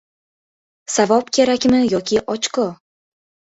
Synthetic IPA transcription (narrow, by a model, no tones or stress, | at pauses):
savɒpkʰʲeɾækʲmɘjɒkʲiʔɒt͡ʃkɤ